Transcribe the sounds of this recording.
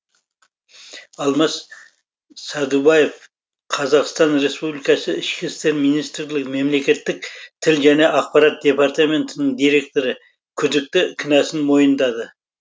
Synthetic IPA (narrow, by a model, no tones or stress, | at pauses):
ɑlˠmɑs | sæd̪ubɑje̞f | qʰɑzɑqst̪ɑnɾe̞spublijkɑsəɪʃkʲɪst̪e̞ɾmijnist̪ɾlɪkme̞mle̞kʲe̞t̪ːɪk̚t̪ʰɪlʒæne̞ʔɑq̚pɑɾɑt̪̚d̪ʲe̞pɑɾt̪ɑme̞nt̪ɪnɪɴd̪ijɾe̞k̚t̪o̞ɾɪ | kʲʰʏd̪ɪk̚t̪ɪkʲʰɪnæsɪnmo̞jənd̪ɑd̪ə